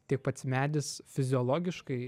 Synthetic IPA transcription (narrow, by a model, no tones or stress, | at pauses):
t̪ʲiɛk̚pɐt̪smʲæːd̪ʲɪsfʲɪzʲɪɔlˠoːɡʲɪʃkɐɪ